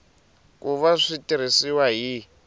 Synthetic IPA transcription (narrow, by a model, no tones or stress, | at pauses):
k̬ʼuβaʂitʼiɾ̤isiwaɦi